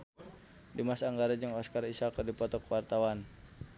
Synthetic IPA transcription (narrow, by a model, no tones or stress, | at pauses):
dimasaːŋɡaɾad͡ʒɨŋɔskarisakərdipɔt̪ɔkwart̪awan